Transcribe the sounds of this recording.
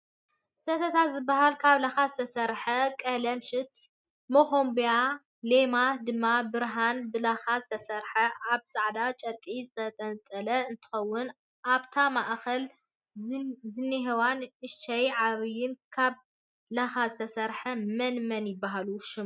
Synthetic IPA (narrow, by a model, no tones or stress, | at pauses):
sɐt̪ʰɐt̪ʰazɨbːaɦalkʰaβlaxazɨt̪ʰɐsɐɾħɐkʼɐlɐmʃɪt̪̚ | moxombija | lemad̪ɨmːabɨɾɦanbɨlaxazɨt̪ʰɐsɐɾħɐʔaβsʼaʕd̪at͡ʃʼɐɾkʼizɨt̪ʰɐt̪ʼɐnt͡sʼɐlɐɨnt̪ʰɨ̥xɐwːʊn | ʔaβt̪ʰamaʔxɐl | zɨnːiɦewanʔɨʃt͡ʃːɐjʕaβjɪnkʰaβ | laxazɨt̪ʰɐsɐɾħɐmɐnmɐnjɪbːaɦaluʃɪm